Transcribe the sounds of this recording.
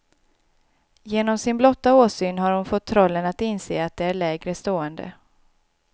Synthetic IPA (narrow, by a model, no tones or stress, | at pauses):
jeːnɔmsɪnblɔt̪ːaoːsyːnɦaɾhʊnfɔt̪ʰːɾɔlːənat̪ɪnsḛːat̪̚d̪ɛæɭɛːɡɾəst̪oːənd̪ə̰